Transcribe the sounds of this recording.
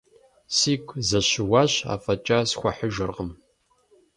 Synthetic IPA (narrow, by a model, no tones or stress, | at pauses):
siːkʷʰʼzɐɕɪwaːɕa̰ːfɐt͡ʃʼaːsxʷɐħəʒɨrʁəm